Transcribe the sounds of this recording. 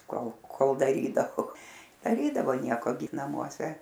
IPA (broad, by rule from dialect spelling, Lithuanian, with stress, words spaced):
ˈkoːlˠ ˈkoːlˠ dɐˈrʲiːdɐʋoː dɐˈrʲiːdɐʋoː ˈnʲiɛkoː ɡʲɪ nɐmuɔˈsʲɛ